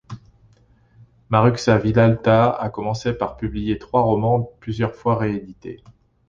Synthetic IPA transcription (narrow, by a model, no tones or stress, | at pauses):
maʁyksavilalt̪aa̰kɔmɑ̃sepaʁpyblijet̪χwaʁɔmɑ̃plyzjœʁfwaʁeed̪it̪ḛ